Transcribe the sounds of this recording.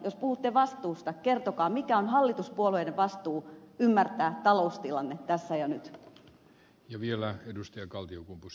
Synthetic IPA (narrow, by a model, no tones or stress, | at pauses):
jospuhut̪ːeʋɑst̪uːst̪ɑkert̪okɑːmikæonɦɑlːit̪uspuoluedeʋɑst̪uːymːært̪æːt̪ɑloust̪ilɑnːet̪æsːæjɑnyt̪ | jɑʋielæedust̪ɑjɑkɑlt̪iokumpus